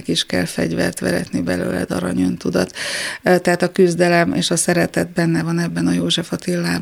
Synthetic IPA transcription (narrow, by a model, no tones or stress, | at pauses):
kiʃkɛlfɛ̰ɟvɛ̰rt̪ʋɛɾɛ̰t̪nibɛlø̰ːlɛ̰d̪ɒ̰ɾɒ̰ɲynt̪ud̪ɒt̪t̪ːɛɦaːt̪ɒkyzd̪ɛlɛmḛːʃɒsɛɾɛt̪ɛt̪̚bɛnːɛvɒnɛbːɛnɒjoːʒɛfɒt̪ilːaːb